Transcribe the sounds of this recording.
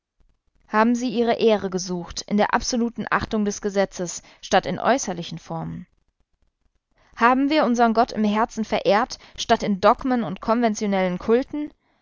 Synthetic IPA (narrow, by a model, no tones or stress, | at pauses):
haːbm̩ziːʔiːʁ̞əʔeːʁəɡəzuːxtɪ̰ndeːɐʔa̰pz̥oluːtn̩ʔa̰χtʊŋdɛsɡ̥əzɛt͡səs | ʃtatɪnʔɔ̰ʏsɐlɪçn̩fɔɐmən | haːbm̩viːɐʊnzɐʁənɡɔtʰɪ̰mhɛɐt͡sn̩fɛɐʔeːɐtʃtatɪndɔɡmənʊntkʰɔnvɛnt͡sjonɛlənkʰʊltn̩